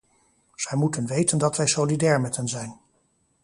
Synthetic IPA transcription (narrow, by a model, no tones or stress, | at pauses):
z̥ɛjmutənʋejtəndɑtʋɛjsolidɛːɹmɛtɦɛnzɛjn